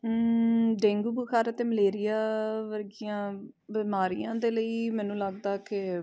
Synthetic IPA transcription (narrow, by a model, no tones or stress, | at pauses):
ɖɛ̃ːŋɡuːbʊkʰaːɾət̪eːməleːɾɪjaːʋəɾɡɪjãː | bɪmaːɾijãːd̪eːləiːmɛːnũːləɡd̪aːkɪ